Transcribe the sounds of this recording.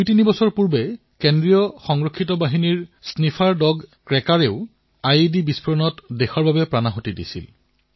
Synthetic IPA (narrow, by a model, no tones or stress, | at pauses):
dujtinibɔsɔɹpuɹbɛ | kendɹijɔxɔŋɹokʰːitɔbaɦiniɹsnifʰaɹdɔɡkɹɛkaɹeʊ | ajdibispʰɔɹɔnɔtdexɔɹbabɛpɹanaɦotidḭsḭl